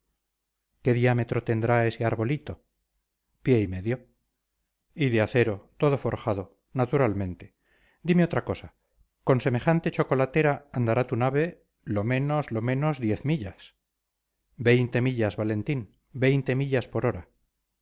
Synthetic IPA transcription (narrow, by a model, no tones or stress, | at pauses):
ke̞ðiame̞t̪ɾo̞t̪e̞nd̪ɾae̞se̞aɾβo̞lit̪o̞ | pje̞ime̞ðjo̞ | iðeaθe̞ɾo̞t̪o̞ð̞o̞fo̞ɾxað̞o̞ | nat̪uɾalmẽ̞nt̪e̞ | d̪ime̞o̞t̪ɾako̞sa | ko̞nse̞me̞χant̪e̞t͡ʃo̞ko̞lat̪e̞ɾaand̪aɾat̪unaβ̞e̞ | lo̞mẽ̞no̞zlo̞mẽ̞no̞zðje̞θmiʎas | be̞jnt̪e̞miʎazβale̞nt̪in | be̞jnt̪e̞miʎaspo̞ɾo̞ɾa